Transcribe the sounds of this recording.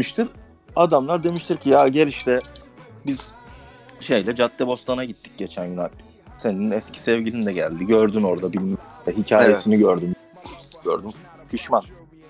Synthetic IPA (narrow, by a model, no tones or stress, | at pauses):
iʃt̪ʰiɾ | ad̪amlˠaɾd̪e̞miʃt̪ʰiɾcʰijaːɟeɾiʃt̪ʰɛbiz̥ | ʃe̞jlʲɛd͡ʒat̪ʰːɛbo̞st̪ʰanaɟit̪ʰːic̚ɟe̞t͡ʃʰænjynakʲ | se̞ninɛscʰi̥sɛvɟilʲind̪ɛɟæ̰lʲd̪iɟø̞ɾd̪yno̞ɾd̪abilʲmɛɦicʰaːjesiniɟøɾd̪ym | ɟø̰ɾd̪ym | pʰiʃman